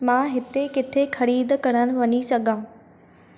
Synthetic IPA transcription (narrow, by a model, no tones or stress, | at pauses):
mãːɦɪt̪ekɪt̪ʰexɐɾiːd̪kɐɽ̃ənɪ̆ʋɐɲisɐɡʱãː